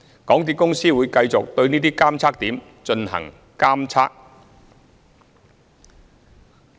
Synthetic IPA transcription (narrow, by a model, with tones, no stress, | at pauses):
kɔː˨˥ŋt̪̬iː˨t̚kʊ˥ŋsiː˥wuː˨˧jkɐ˧jt͡sʊ˨k̚t̪ɵ˧ɥniː˥t̪iː˥kaː˥mt͡sʰaː˥k̚t̪iː˨˥m | t͡ʃɵ˧nɦɐ̰˨˩ŋ | kaː˥mt͡sʰaː˥k̚